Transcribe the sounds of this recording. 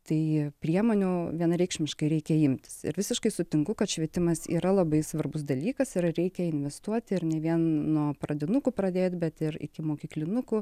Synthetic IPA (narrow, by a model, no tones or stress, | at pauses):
t̪ɐɪpʲɾʲiɛmoːnʲuʋʲiɛnɐɾʲɛɪkʃʲmʲɪʃkɐɪɾʲɛɪkʲɛɪmʲt̪ʲɪ̥sɪ̰ɾʋʲɪsʲɪʃkɐɪsʊt̪ʲɪŋkʊkɐt̪ʃʲʋʲiɛt̪ʲɪmɐsḭːɾɐlˠɐbɐɪsʋɐrbʊs̬d̪ɐlʲiːkɐsɪɾɾʲɛɪkʲɛɪnʲʋʲɛst̪uɔt̪ʲɪɾnʲɛʋʲiɛnːuɔprɐd̪ʲɪnʊkʊːpɾɐd̪ʲeːt̪ʲbʲɛt̪ɪrɪ̰kʲɪmoːkʲiːklʲɪnʊkʊ